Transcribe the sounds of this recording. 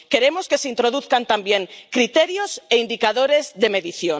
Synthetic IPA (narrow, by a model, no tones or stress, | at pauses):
keɾemoskeseint̪ɾoð̞uθkant̪ambjeŋkɾit̪eɾjoseind̪ikaðoɾezðemeðiθjo